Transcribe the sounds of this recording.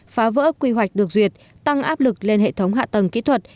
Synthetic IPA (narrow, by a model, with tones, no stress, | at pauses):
faː˨˦və̰ː˧˥kwi˧ɦwa˨˩jk̟̚ɗɨ˨˩ək̚zwi˨˩ət̚ | t̪a˧ŋʔaː˦˥p̚lɨ˨˩k̚le˧nhḛ˧˨t̪ʰə˨˦wŋ͡mɦa̰ː˧˨t̪ə˨˩ŋkḭ˧˥t̪ʰwə˨˩t̚